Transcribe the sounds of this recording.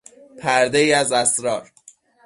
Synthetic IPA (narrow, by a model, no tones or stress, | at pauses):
pʰæɾd̪eiːæzæsɾɒːɾ